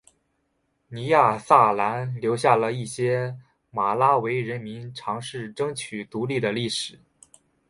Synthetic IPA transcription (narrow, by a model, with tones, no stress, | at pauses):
ni˧˥ja˥˧sa˥˩la˧˥nljo˧˥ʊɕja˥˩lə˩i˥˩ɕjɛ˥ | ma˨˩la˥we˧˥ɪɻə˧˥nmi˧˥nʈ͡ʂʰɑ˧˥ŋʂɻ̩˥˩ʈ͡ʂɤ˥ŋt͡ɕʰy˨˩t̪u˧˥li˥˩d̪ə˩li˥˩ʂɻ̩˨˩˦